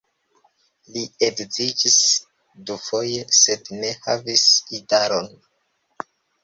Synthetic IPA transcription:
lieɡzid͡ʒis | dufo̞jese̞dne̞ha̰visidaɾon

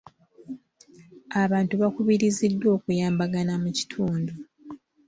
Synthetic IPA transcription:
aβaːntuβakuβiɾizidːwo̞ːkujaːmbaɡanamuci̥tʰuːndu

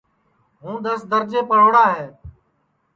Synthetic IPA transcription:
ɦũːd̪əsd̪əɾd͡ʒeːpəɽ̤oːɽaːɦeː

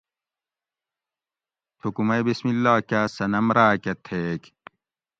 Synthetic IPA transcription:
t̪ʰukumɐjbismilːaːkaːsɐnɐmɾaːkɐt̪ʰeːk

